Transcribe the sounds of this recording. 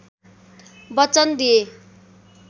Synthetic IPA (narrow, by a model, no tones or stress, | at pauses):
bʌt͡sʌnd̪ije